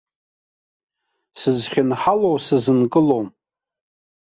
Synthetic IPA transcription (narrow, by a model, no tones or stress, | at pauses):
sɨzχʲɪnħalowsɨzɨnkʼɨlowm